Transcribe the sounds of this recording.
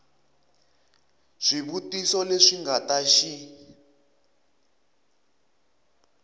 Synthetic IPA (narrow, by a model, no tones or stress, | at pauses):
ʐ̥iβutisɔleʂiŋɡataʃi